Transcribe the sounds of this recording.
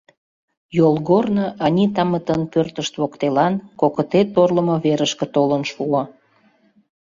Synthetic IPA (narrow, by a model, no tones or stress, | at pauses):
jolˠɣornoʔɑnʲit̪ɑmət̪ənpørt̪əʃt̪βokt̪elɑnkokət̪et̪orləmoβeɾəʃkĕt̪olənʃuo